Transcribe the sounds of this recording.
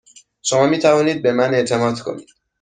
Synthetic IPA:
ʃo̞mɒːmiːt̪ʰævɒːniːd̪̚be̞mæne̞ʔt̪ʰe̞mɒːd̪̥kʰo̞̰nḭːd̪̥

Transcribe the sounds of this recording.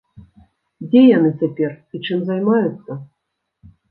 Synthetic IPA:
d͡zʲɛjanɨt͡sʲapʲɛrit͡ʂɨmzajmajut̪sːɐ

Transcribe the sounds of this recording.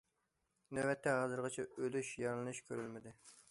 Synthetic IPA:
nɛwɛt̪ːɛɦɑːzɨɾʁɑt͡ʃʰɛølyʃjɑɾlˠɨnɨʃkʲʰøɾylmɪd̪ɪ

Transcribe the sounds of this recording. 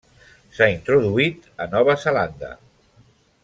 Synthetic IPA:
saint̪ɾuðuit̪ənɔβ̞əzəland̪ə̰

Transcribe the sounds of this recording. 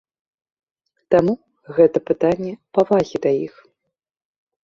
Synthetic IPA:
t̪amu | ɣɛt̪ɐpɨt̪anʲːɛpavaɣʲid̪ajix

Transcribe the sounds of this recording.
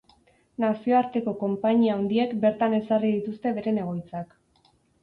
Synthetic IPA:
nasio̞aɾt̪e̞ko̞ko̞mpaɲiaond̪ie̞kbe̞ɾt̪ane̞sariðit̪ust̪e̞βe̞ɾe̞ne̞ɣ̞o̞jt͡sak

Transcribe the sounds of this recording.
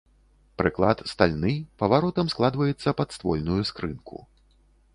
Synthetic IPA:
pɾɨklˠat̪st̪alʲnɨpɐvaɾɔt̪ɐmsklˠad̪vɐjɛt̪sːɐpɐt̪st̪vɔlʲnujuskɾɨnkʰṵ

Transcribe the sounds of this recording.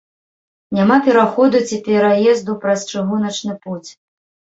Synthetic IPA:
nʲamapʲɛɾaxɔd̪ut͡sʲipʲɛɾajɛzd̪upɾɐst͡ʂɨɣunɐt͡ʂnɨput͡sʲ

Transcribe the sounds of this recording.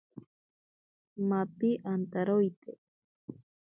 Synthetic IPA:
mapɪʔant̪aɾojt̪e

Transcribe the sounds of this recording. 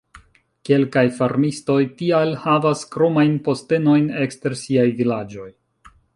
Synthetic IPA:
ke̞lkajfaɾmisto̞jtialhavaskɾo̞majnpo̞ste̞no̞jne̞kste̞ɾsiajvilad͡ʒo̞j

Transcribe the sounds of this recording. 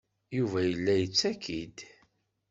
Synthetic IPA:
juvæjəlːæjət͡sːækʰid̪

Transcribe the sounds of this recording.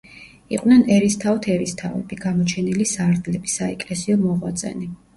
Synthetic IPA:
ḭqʼwnɛnɛɾist̪ʰaɔt̪ʰɛɾist̪ʰa̰vɛ̰b̥iɡamɔt͡ʃʰɛnilisaɾd̪lɛbi̥saɛkʼlɛsiɔmɔʁwat̪sʼɛ̰ni

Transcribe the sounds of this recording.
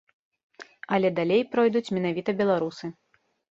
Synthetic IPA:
ɐlʲɛd̪alʲejpɾɔjd̪ut͡sʲmʲɛnavʲit̪ɐbʲɛlˠaɾusɨ

